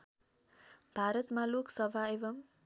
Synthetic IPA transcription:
bʱaɾʌt̪maloksʌbʱaebʌm

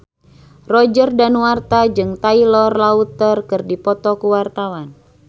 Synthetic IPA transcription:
rɔd͡ʒərdanwart̪ad͡ʒɨŋt̪ailɔrlaut̪ərkɨrdipɔt̪ɔkuwart̪awan

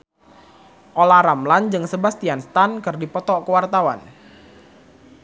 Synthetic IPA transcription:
ʔolaɾamland͡ʒɨŋsəbast̪ianst̪ankərdipɔt̪ɔʔkəwart̪awa̰n

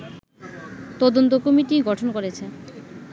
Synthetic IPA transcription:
t̪ɔd̪ont̪okomiʈiɡɔʈʰonkoɾet͡ɕʰe

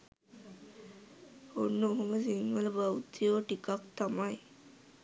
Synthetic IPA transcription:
onːəɦoməsiŋʋələbawt̪ijoʈikakt̪amaj

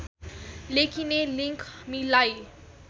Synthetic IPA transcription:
lekʰineliŋkmilaj

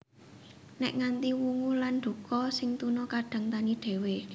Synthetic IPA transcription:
nɛʔŋant̪iwuŋulanɖ̥ṳkɔsɪŋt̪unɔkaɖ̥ä̤ŋt̪aniɖ̪̥e̤we

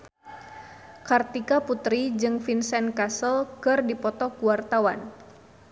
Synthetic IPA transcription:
kart̪ikaput̪ɾid͡ʒɨŋfinsɛnkasəlkɨrdipɔt̪ɔkuwart̪awan

